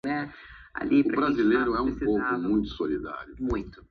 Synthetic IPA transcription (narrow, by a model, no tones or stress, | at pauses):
nɛ | a̰lipʊɾɐbɾazilejɾʊɛũsovʊmũj̃t̪ʊ̥solid̪a̰ɾjʊmũj̃t̪ʊ̥